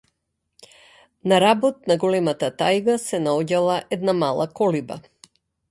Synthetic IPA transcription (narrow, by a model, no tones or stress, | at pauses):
naɾabɔt̪̚naɡɔlɛmat̪at̪ajɡasɛnaɔɟalˠaʔɛd̪namalˠakɔliba̰